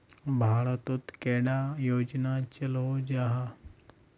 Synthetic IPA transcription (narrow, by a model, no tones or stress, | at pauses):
bʱaɭət̪ot̪keɽajod͡ʑnat͡ɕəlod͡ʑaɦa